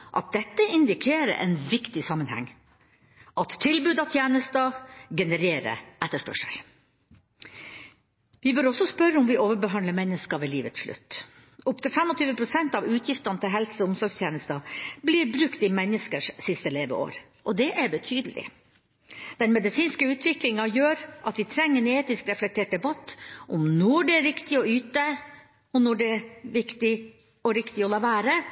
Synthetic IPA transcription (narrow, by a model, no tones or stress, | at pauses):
ʔɑ̰t̪̚d̪ɛt̪ːəɪnd̪ɪkʰeːɾə̰ʔɛ̰nʋɪkt̪ɪsɑmːənhæ̰ŋː | ʔɑt̪ʰːɪlbʉːd̪ɑʋt̪ʰjɛːnəst̪əɡɛnəɾeːɾə̰ʔɛt̪ːəʂpœ̰ʂə̰l | ʋɪbœɾɔsɔspœɾːəʊmʋɪʔoːʋəɾbəɦɑnləmɛnːəskɑʋeːliːʋət̪sʂɭʉ̰t̪ː | ʔʊpt̪ɪlfɛmɔt̪ʰyːʋəpʰɾʊsɛnt̪ɑʋʉːt̪ʰjɪft̪ɑnət̪ʰɪlɦɛlsʊmsɔɾɡst̪ʰjeːnəst̪əbliːɾbɾʉkt̪ɪmɛnːəskəʂsɪst̪əleːʋə̰o̰ːɾ | ʔɔd̪ɛʔæɾbət̪ʰyːd̪əlɪ̰ | d̪̥ɛnmɛd̪ɪsiːnskəʉːt̪ʰʋɪklɪŋɑjøːɾʔɑt̪ʋɪt̪ʰɾɛŋːəneːt̪ɪskɾɛflɛk̚t̪ʰeːʈ̚d̪ɛbɑt̪ːʔʊmnɔɖɛæɾɾɪkt̪ɪɔyːt̪ə | ɔnɔɖɛʋɪkt̪ɪ | ɔɾɪkt̪ɪɔlɑːʋæːɾə